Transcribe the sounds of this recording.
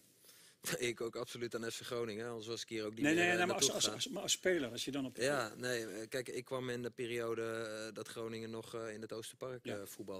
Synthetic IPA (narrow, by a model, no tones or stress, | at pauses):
d̥ɔɪɪkoːkapsolyt̚anɛtfəxrownɪŋɛɔndəsʋɔsɪ̥kɪəowk̚dineasamaɔspeːləɾɔsjədɔnɔpjaneːkɛjkɪkʰːʋamɪnəpiːrioːdədɔtxrownɪŋənːɔxɪnətoːstəparkfutbɑlˠ